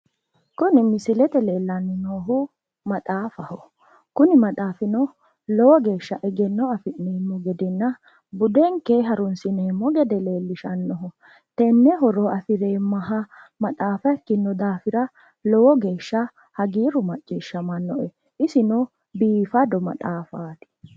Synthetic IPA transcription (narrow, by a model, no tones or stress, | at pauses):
kʊnɪmɪsɪlɛt̪ɛle̞ːlːɐnːɪnoːɦʊ | mɐt̪ʼaːfɐhɔ | kʊnɪmɐt̪ʼaːfɪnɔ | lɔwɔɡe̞ːʃːɐʔɛɡɛnːɔɐfɪʔninːʊɡɛd̪ɪnːɐ | bʊd̪ɛŋkːeɦɐɾʊnsɪneːmːɔɡɛd̪ɛle̞ːlːɪʃɐnːɔɦɔ | t̪ɛnːɛɦɔɾoɐfɪɾeːmɐɦɐ | mɐt̪ʼaːfɐkːɪnːɔd̪aːfɪɾɐ | lɔwɔɡe̞ːʃːɐ | hɐɡiːɾʊmɐt͡ʃʼːiːʃːɐmɐnːɔʔɛ | ʔɪsɪnɔ | biːfɐd̪ɔmɐ̰t̪ʼaːfaːt̪ɪ̥